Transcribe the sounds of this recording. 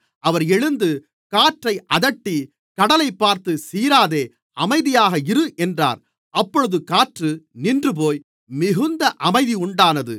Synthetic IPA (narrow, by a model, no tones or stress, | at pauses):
ɐʋɐɾɛɻɯnd̪ɯ | kaːʈrɐɪʔɐðɐʈːi | kɐɽɐlɐɪpːaːɾt̪ɯsiːɾaːðeː | ɐmɐɪðɪjaːɣɐɪɾɯʔɛndra̰ːɾ | ʔɐpːɔɻɯðɯkaːʈrɯnɪndrɯpoːj | mɪɣɯnd̪ɐʔɐmɐɪðiʊɳɖaːnɐðɯ̰